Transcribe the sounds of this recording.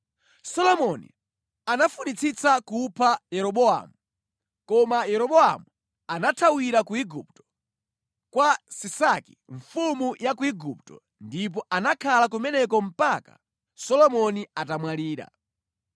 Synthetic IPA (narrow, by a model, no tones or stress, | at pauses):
sɔlɔmɔnḭ | anafunit͡sʰit͡sakupʰajɛɾɔɓɔa̰mu | kɔmajɛɾɔɓɔa̰mu | anatʰawiɾakuiɡup̚tɔ̥ | kwasisaki̥ɱfumujakuiɡup̚tɔ̰ | ndip̬ɔʔanakʰalak̬umɛnɛk̬ɔm̩paka̰ | sɔlɔmɔniatamwaliːɾa̰